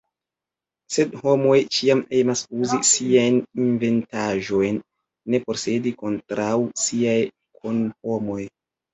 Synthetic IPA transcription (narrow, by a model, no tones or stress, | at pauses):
se̞dho̞mo̞jt͡ʃiame̞masuzisiajninve̞ntaʒo̞jnː | e̞po̞ɾse̞diko̞ntɾʔawsiaj | kʰonho̞mo̞j